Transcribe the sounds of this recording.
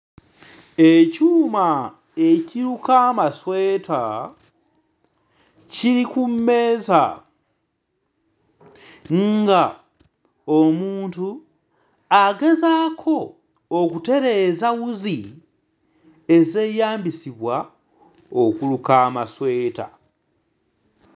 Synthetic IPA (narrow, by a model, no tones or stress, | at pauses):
ecuːma | e̞ciɾukaːmasweːtʰa | ciɾikumːe̞ːza̰ | ŋɡa | omuːntu | aɡe̞zaːkʰo̞ː | kute̞ɾe̞ːzawuzi | e̞ze̞ːjaːmbisiβwa | okulukaːmaswe̞ːta̰